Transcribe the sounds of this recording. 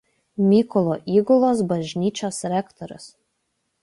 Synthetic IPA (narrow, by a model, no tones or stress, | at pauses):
mʲiːkɔlˠoʔiːɡʊlˠoːsbɐʒʲnʲiːt͡ʃʲoːsɾʲɛkt̪ɔɾʲʊ̰s